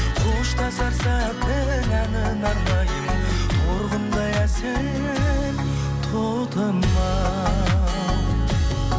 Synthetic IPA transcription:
uʃt̪ɑsɑɾsæt̪ɪŋænɪnɑɾlɑj | oɾʁənd̪ɑjæsen | en | t̪ʰolt̪ʰənːɑ

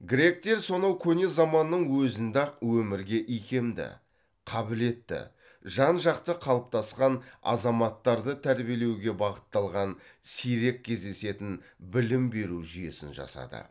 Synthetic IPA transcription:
ɡɾʲe̞k̚t̪e̞ɾso̞nɑwkʲʰɵne̞zɑmɑnːəɴwɵzɪnd̪ɑq̚wɵmɪɾɡʲe̞ʔijkʲe̞md̪ɪ̰ | qʰɑbɪle̞t̪ːɪ̰ | ʒɑnʒɑqt̪əqʰɑlˠəp̚t̪ʰɑsqɑnɑ̰zɑmɑt̪ːɑɾd̪ət̪ʰæɾbije̞le̞wɡʲe̞bɑʁət̪ːɑlˠʁɑnsijɾe̞k̚ʲʰːe̞zd̪e̞se̞t̪ɪnbɪlɪmbe̞ɾuʒʏje̞̰sɪ̰nʒɑ̰sɑ̰d̪ə̰

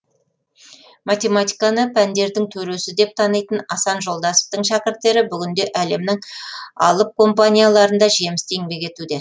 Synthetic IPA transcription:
mat̪ʲe̞mat̪ʲijkanəpʰænd̪e̞ɾd̪ɪŋt̪ʰɵɾe̞sɪd̪e̞p̚t̪ʰɑnɑjt̪ənɑsɑnʒo̞lˠd̪ɑsə̥p̚t̪əɴʃɑkʲɪɾt̪ːe̞ɾɪbʏɡʲɪnd̪e̞ʔæle̞mnɪŋɑ̰lˠəp̚kʰo̞mpanʲijalˠɑɾənd̪ɑʒe̞mɪst̪e̞ŋbe̞kʲe̞t̪ud̪e̞

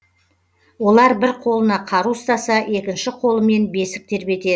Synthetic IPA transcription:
wo̞lˠɑɾbɪɾqʰo̞lˠənɑqʰɑɾust̪ɑsɑʔe̞kʲɪnʃɪqʰo̞lˠəme̞nbe̞sɪ̥k̚t̪ʰe̞ɾbe̞t̪e̞

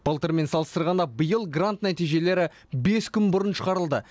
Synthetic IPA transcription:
b̥ɑlˠt̪əɾme̞nsɑlˠəst̪əɾʁɑnd̪ɑbəjəlˠɡrant̪næt̪ijʒe̞le̞ɾɪ | be̞skʲʰʏnbʊɾənʃə̥qɑɾəlˠd̪ə

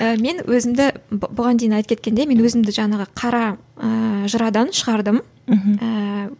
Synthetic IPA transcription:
əme̞nwʔɵzɪmd̪ɪbʊʁɑnd̪ejɪnɑjt̪əkʰet̪̚kʲʰend̪e̞me̞nwɵzɪmd̪ɪʒɑɴɑʁəqʰɑɾɑ | əʒəɾɑd̪ɑnʃəʁɑɾd̪əm̩ | ə

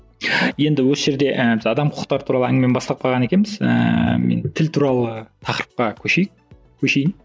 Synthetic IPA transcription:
je̞nd̪ɪwosəʒe̞ɾd̪e̞ʔəbɪzɑd̪ɑmqʰʊ̥ə̥qt̪ɑɾət̪ʰuɾɑlˠəæŋɡɪme̞nbɑst̪ɑq̚pɑʁɑne̞kʲe̞nmɪzə̰mḛnt̪ʰɪlt̪ʰuɾɑlˠət̪ʰɑqɾəp̚qɑkʲʰɵʃejɪk̚ | kʲʰɵʃe̞jɪn

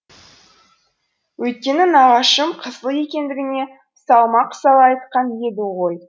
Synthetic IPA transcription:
wɵjt̪̚kʲe̞nɪnɑʁɑʃəmqʰəzlˠəje̞kʲe̞nd̪ɪɡʲɪne̞ | sɑlˠmɑqsɑlˠɑɑjt̪qɑnje̞d̪ɪʁo̞j

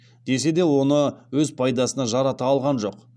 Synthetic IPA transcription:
d̪e̞s̬e̞d̪e̞wo̞nəwɵzpʰɑjd̪ɑsənɑʒɑɾɑt̪ɑːlˠʁɑnʒo̞q

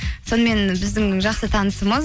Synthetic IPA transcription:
so̞nəme̞nbɪzd̪ɪŋʒɑqsət̪ʰɑnəsəməz

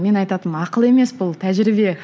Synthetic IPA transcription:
me̞nɑjt̪ɑt̪əmɑqəlˠe̞me̞sbʊlˠt̪ʰæʒɾɪbe̞

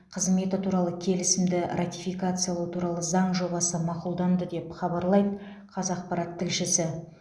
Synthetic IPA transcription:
qʰəzme̞t̪ɪt̪ʰuɾɑlˠəkʲʰe̞lɪsɪmd̪ɪrʔat̪ijfijkat̪sɨjalˠawt̪ʰuɾɑlˠəzɑɴʒo̞bɑsəmɑqulˠd̪ɑnd̪əd̪e̞pχɑbɑɾlˠɑjd̪ə | qʰɑzɑqpɑɾɑt̪ʰːɪlʃɪsɪ

